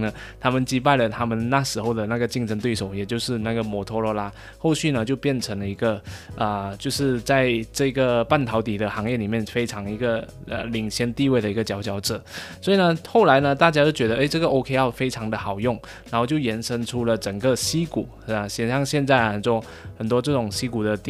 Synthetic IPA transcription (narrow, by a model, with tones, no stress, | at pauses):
nə˩˧ | t̪ʰa˥mə˨nt͡ɕi˧˥p̬a˥˩ɪlə˩t̪ʰa˥mə˨nna˥˩ʂɻ̩˧˥xo˥˩ʊd̪ə˩na˥˩ɡə˩t͡ɕi˥˧ŋʂʰə˧˥nt̪we˥˩ɪʂo˨˩˦ʊjɛ˨˩t͡ɕjo˥˧ʊʂɻ̩˥˧na˥˩ɡə˩mɔ˨˩t̪ʰɔ˥lɔ˧˥la˥ | xo˥˧ʊɕy˥˩nə˨t͡ɕjo˥˧ʊpjɛ˥˩nʈ͡ʂʰɤ˧˥ŋlə˧i˧˥ɡə˧ʔə˩t͡ɕjo˥˧ʊʂɻ̩˥˧t͡sa˥˧ɪʈ͡ʂɤ˥˩i˧˥ɡə˧pa˥˩nt̪ʰɑ˧˥ʊt̪i˨˩d̪ə˦xɑ˧˥ŋjɛ˥˩li˨˩mjɛ˥˩nfe˥ɪʈ͡ʂʰɑ˧˥ŋi˧˥ɡə˧ | ə̰˨li˨˩ŋɕjɛ˧˥nt̪i˥˧we˥˩d̪ə˩i˧˥ɡə˧t͡ɕjɑ˧˥ʊt͡ɕʰjɑ˧˥ʊʈ͡ʂɤ˨˩˦swɔ˧˥i˨˩nə˧˦xo˥˩ʊla˧˥ɪnə˧t̪a˥˩t͡ɕja˥t͡ɕjo˥˩ʊt͡ɕɥɛ˧˥d̪ə˧ʔe˥˩ɪʈ͡ʂɤ˥˩ɡə˩ʔo˧˥ʊkʰe˥ɪɑ˥˩ʊfe˥ɪʈ͡ʂʰɑ˧˥ŋd̪ə˨xɑ˨˩ʊjʊ˥˩ŋ | na˨˧˥xo˥˧ʊt͡ɕjo˥˩ʊjɛ˧˥nʂə˥nʈ͡ʂʰu˥lə˨ʈ͡ʂə˨˩ŋɡə˧ɕi˥ku˨˩ | ə˨˩ɕjɛ˨˩nɕjɑ˥˧ŋɕjɛ˥˧nt͡sa˥˩ɪ˨˩nt͡swɔ˥˩ | xə˨˩nt̪̬wɔ˥ʈ͡ʂɤ˥˩ʈ͡ʂʊ˨˩ŋɕi˥ku˨˩d̪ə˦t̪i˨